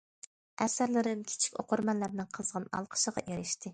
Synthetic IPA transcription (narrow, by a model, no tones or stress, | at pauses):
ɛsæɾlɪɾɪmkʲʰi̥t͡ʃʰi̥kʲo̰qʊɾmɑnlːæɾnɨŋqʰəzʁɑnɑ̰lˠqʰə̥ʃəʁɑ̰ʔeɾɪʃt̪ʰɪ